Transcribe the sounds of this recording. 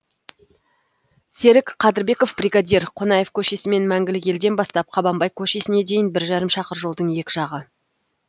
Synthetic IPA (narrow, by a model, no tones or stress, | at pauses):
se̞ɾɪkqʰɑd̪ɪɾbe̞ko̞fbrʲiɡad̪ʲeɾqʰonɑje̞fkʲʰɵʃesɪme̞nmæŋɡʲɪlɪkʲe̞ld̪e̞nbɑst̪ɑp̚qʰɑbɑmbɑjkʲʰɵʃe̞sɪne̞d̪e̞jɪnbɪɾʒɑɾəmʃɑqəɾʒo̞lˠd̪əɴje̞kʲɪʒɑʁə